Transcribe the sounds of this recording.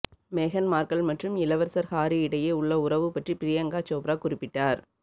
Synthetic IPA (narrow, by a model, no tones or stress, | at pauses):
meːɣɐnmaːɾkɐɭmɐʈrɯmɪlɐʋɐɾsɐɾhaːɾiɪɽɐjeːʊɭːɐʊɾɐʋɯpːɐʈripɪɾɪjɐŋɡaːt͡ʃoːpɾaːkʊrɪpːɪʈːaːɾ